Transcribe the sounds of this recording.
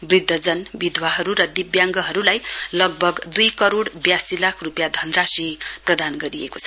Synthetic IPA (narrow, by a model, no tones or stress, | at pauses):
brid̪ʱːʌd͡zʌnbid̪ʱwaɦʌɾuɾʌd̪ibjaŋɡʌɦʌɾulajlʌɡ̚bʱʌɡd̪ujkʌɾoɽbjasilakʰrupjad̪ʱʌnrasiprʌd̪anɡʌɾiekot͡sʰʌ